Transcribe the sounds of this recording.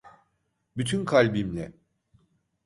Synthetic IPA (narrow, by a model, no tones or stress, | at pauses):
byt̪ʰynkʰalʲbimlʲɛ